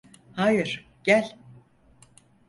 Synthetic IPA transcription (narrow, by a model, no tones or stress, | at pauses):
haːjɨɾ̥ | ɟ̥ælʲ